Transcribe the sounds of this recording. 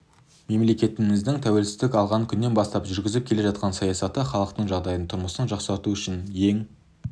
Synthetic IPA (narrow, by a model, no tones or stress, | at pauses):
me̞mle̞kʲe̞t̪ɪmɪzd̪ɪŋt̪ʰæwe̞lsɪzd̪ɪkʲɑlˠʁɑŋkʲʰʏnːe̞nbɑst̪ɑpʒʏɾɡʲɪzɪp̚kʲʰe̞le̞ʒɑt̪̚qɑnsɑjɑsɑt̪əχɑlˠəqt̪əɴʒɑʁd̪ɑjənt̪ʰʊɾməsənʒɑqsɑɾt̪uʏʃɪnje̞ŋ